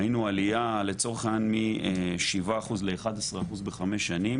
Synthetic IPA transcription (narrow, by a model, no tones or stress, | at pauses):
inualijale̞t͡so̞ʁeχanmieʃivaːχuzle̞ːχad̪asʁeaχuzbe̞χameʃːanim